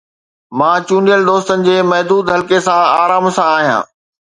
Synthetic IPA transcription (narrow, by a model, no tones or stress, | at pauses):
mãːt͡ɕũːnijəld̪oːst̪ənɪ̆d͡ʑeːmɐɦd̪uːd̪ɦɐlkesãaːɾaːmsãaːɦijã̰ː